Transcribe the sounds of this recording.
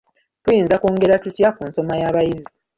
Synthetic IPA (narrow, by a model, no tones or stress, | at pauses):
tujiːnzakoːŋɡe̞ɾatutjakuːnso̞majaːβajizi